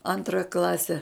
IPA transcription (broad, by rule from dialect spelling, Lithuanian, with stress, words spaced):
ˈɐntrɐ ˈklˠɑːsʲɛ